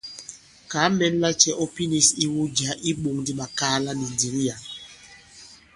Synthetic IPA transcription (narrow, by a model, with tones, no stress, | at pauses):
ka˨˦mɛ˦n˦la˦t͡ʃɛ˦ʔɔ˦pi˦ni˨si˦wu˦d͡ʒa˨˦ʔi˦ɓu˨ŋdi˦ɓa˨ka˦la˦ni˨ndi˨ɾi˦ja˨